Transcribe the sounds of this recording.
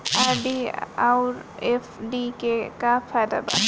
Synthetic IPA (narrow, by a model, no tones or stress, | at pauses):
aɾɖiawɾefɖikekapʰad̪a̰ba̰